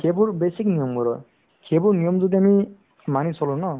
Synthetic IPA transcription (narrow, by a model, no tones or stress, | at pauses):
kʰebuɾbesiknijɔmɡɔɾɔ | kʰebuɾnijɔmzud̪iami | manisʰɔlɔnɔ